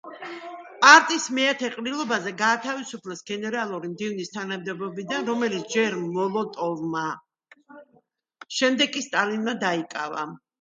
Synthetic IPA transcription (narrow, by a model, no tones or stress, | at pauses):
pʼaɾt̪ʼismɛat̪ʰɛqʼɾilˠɔbazɛɡaːt̪ʰavisupʰlɛsɡɛnɛɾalˠuɾimd̪ivnist̪ʰanamd̪ɛbɔbid̪anɾɔmɛlit̪sʰd͡ʒɛɾmlɔlˠɔt̪ʼɔvma | ʃɛmd̪ɛɡ̚kʼːist̪ʼalinmad̪aikʼava̰